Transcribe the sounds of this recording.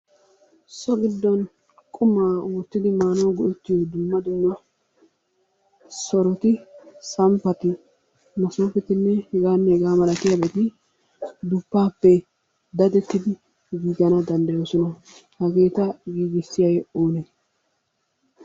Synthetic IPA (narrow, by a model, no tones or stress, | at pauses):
sɔɡɪd̪ːɔn | kʼʊmaːoːt̪ːɪd̪ɪmaːnoːɡɔʔɛt̪ːɪjod̪ʊmːɐd̪ʊmːɐ | sɔɾɔt̪ɪsɐmpːɐt̪ɪ | mɐso̞ːfɛt̪ɪnːɛhɛɡaːnːɛɛɡaːmɐlɐkɪjɐbet̪ɪ | d̪ʊpːaːpːɛ | d̪ɐd̪ɛt̪ːɪd̪ɪ | ɡiːɡɐnɐd̪ɐnd̪ɐjoːsɔnɐ | hɐɡeːt̪ɐɡiːɡɪsːɪjɐjoːne